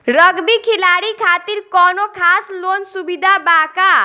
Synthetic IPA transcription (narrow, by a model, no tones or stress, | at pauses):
ɾʌɡbikʰilaɽikʰat̪iɾkɔnokʰaslonsubid̪ʱabaka